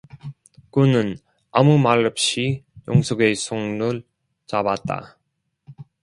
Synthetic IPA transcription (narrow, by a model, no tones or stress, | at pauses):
kunɯn | amumaɭːɯp̚ɕ͈ijo̰ŋsʰoɡe̞sʰoŋnuɭ | t͡ɕabat̚t͈a̰